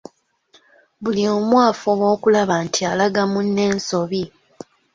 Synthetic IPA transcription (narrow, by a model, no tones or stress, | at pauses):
βuliomwaːfowo̞ːkulaβantʰialaɡamunːe̞ːnso̞βi